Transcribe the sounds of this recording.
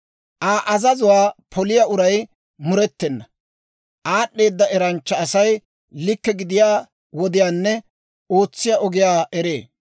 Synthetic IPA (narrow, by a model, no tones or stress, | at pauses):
ʔaːʔɐzɐzʊwaːpʰɔlɪjaʔʊɾɐj | mʊɾɛt̪ːɛnːɐ | ʔaːɗːe̞ːd̪ːɐɛɾɐnt͡ʃːɐːsɐj | lɪkːɛɡɪd̪ɪjaː | wɔd̪ɪjaːnːɛ | o̞ːt͡sːɪjaːʔɔɡɪjaːʔɛɾeː